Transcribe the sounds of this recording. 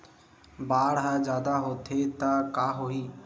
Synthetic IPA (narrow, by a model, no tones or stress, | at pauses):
baːɽɦad͡ʒjaːd̪aɦoːt̪ʰet̪əkaːɦoiː